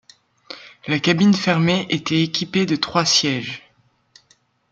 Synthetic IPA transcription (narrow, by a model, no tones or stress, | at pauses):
lakabinfɛʁmeʔet̪ɛːkʲiped̪ət̪χwasjɛʒ